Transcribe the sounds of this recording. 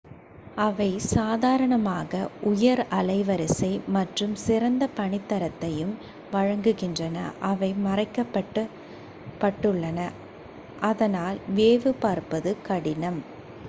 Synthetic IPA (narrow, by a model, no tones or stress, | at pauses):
ɐʋɐɪsaːðaːɾɐɳɐmaːɣɐʔʊjɐɾɐlɐɪʋɐɾɪsɐɪmɐʈrɯmsɪɾɐnd̪ɐpɐɳɪt̪ːɐɾɐt̪ːɐjɯm | ʋɐɻɐŋɡɯɣɪndrɐnɐ̰ʔɐʋɐɪmɐrɐɪkːɐpːɐʈː | pːɐʈːɯɭːɐnɐ | ʔɐðɐnaːlʋeːʋɯpaːɾpɐðɯkɐɽɪnɐm